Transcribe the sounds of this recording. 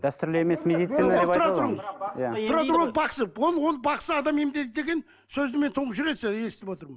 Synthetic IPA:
d̪æst̪ʏɾlɪeme̞smed̪ijt̪sinaɾɑt̪ɾmjat̪ʰʊɾɑt̪ɾwonəbɑqsəwonwo̞nəbɑqsəɑd̪ɑmemd̪e̞t̪ɪd̪e̞ɡʲe̞n | sɵzd̪ɪme̞nt̪ʰuɴəʒʏɾe̞d̪ʒje̞sɪt̪ɪpwo̞t̪əɾmən

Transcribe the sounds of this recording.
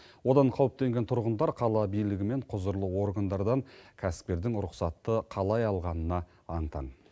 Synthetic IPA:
wo̞d̪ɑɴqʰɑwəp̚t̪e̞ŋɡʲe̞nt̪ʰʊɾʁənd̪ɑɾqʰɑlˠɑbijlɪɡʲɪme̞ɴqʰʊzəɾlˠəwo̞rɡand̪ɑɾd̪ɑŋkʲʰæsɪ̥p̚t̪e̞ɾd̪ɪŋɾʊqsɑt̪ːəqʰɑlˠɑjɑlˠʁɑnənɑ | ɑɴt̪ɑ̰ɴ

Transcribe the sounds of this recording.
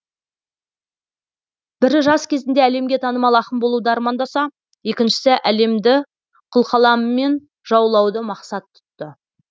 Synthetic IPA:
b̥ɪɾʒɑskʲʰe̞zɪnd̪e̞æle̞mɡʲe̞t̪ʰɑnəmɑlˠɑqəmbo̞lˠud̪əɑɾmɑnd̪ɑsɑ | je̞kʲɪnʃɪ̥sɪʔæle̞md̪ɪ | qʰʊlˠqɑlˠɑmːe̞n | ʒ̥ɑwlˠɑwd̪əmɑqsɑt̪ʰːʏ̥t̪ːə

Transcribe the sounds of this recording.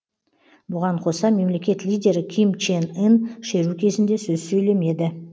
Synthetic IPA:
bʊʁɑɴqʰo̞sɑme̞mle̞kʲe̞t̪lijdʲe̞ɾɪkʲʰijmt͡ʃenenʃe̞ɾukʲʰe̞zɪnd̪e̞sɵzsɵjle̞me̞d̪ɪ

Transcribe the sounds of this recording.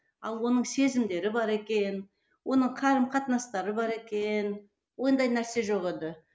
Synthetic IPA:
ɑlˠwo̞nəɴse̞zɪmd̪e̞ɾɪbɑɾe̞kʲe̞n | wo̞nəɴqʰɑɾəmqʰɑt̪nɑst̪ɑɾəbɑɾe̞kʲen | wo̞nd̪ɑjnæɾse̞ʒo̞ʁed̪ɪ

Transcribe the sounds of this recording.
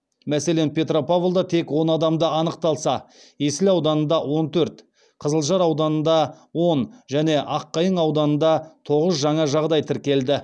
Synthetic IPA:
mæse̞le̞npʲe̞t̪ro̞pʰavlˠd̪ɑt̪ʰe̞kwo̞nɑd̪ɑmd̪əɑnəq̚t̪ɑlˠsɑ | jesɪlɑwd̪ɑnənd̪ɑwo̞nt̪ʰɵɾt̪ | qʰəzəlˠʒɑɾɑwd̪ɑnənd̪ɑ | wo̞nʒæne̞ʔɑqːɑjəɴɑwd̪ɑnənd̪ɑt̪ʰo̞ʁəzʒɑɴɑʒɑʁd̪ɑjt̪ʰɪɾkʲe̞ld̪ɪ

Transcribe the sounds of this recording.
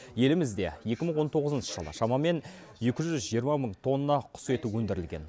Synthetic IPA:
je̞lɪmɪzd̪e̞̰je̞kʲɪməɴwo̞nt̪ʰo̞ʁəzənʃə̥ʒəlˠə̰ʃɑmɑme̞n | je̞kʲɪʒʒʏzʒijəɾmɑməɴt̪ʰo̞nːənɑqʰʊ̥se̞t̪uwɵnd̪ɪɾɪlɡʲe̞̰n

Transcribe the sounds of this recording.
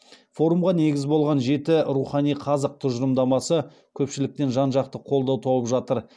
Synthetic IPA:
fo̞ɾumʁɑne̞ɡʲɪzbo̞lˠʁɑnʒe̞t̪ɪɾuχɑnijqʰɑzəq̚t̪ʰʊʒəɾəmd̪ɑmɑsə | kʲʰɵpʃɪlɪk̚t̪e̞nʒɑnʒɑqt̪əqʰo̞lˠd̪ɑwt̪ʰowəpʒɑt̪əɾ

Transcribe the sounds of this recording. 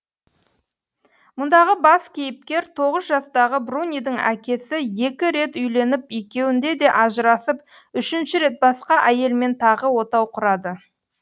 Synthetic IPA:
mʊnd̪ɑʁəbɑskʲʰejɪp̚kʲe̞ɾt̪ʰo̞ʁəzʒɑst̪ɑʁəbrunʲijd̪əŋækʲe̞sɪje̞kʲɪɾe̞t̪ʏjle̞nɪpekʲe̞wɪnd̪e̞d̪e̞ʔɑʒəɾɑsəp̚ | ʏʃɪnʃɪɾe̞t̪̚bɑsqɑʔæje̞lme̞nt̪ʰɑʁəwo̞t̪ɑwqʰʊɾɑd̪ə

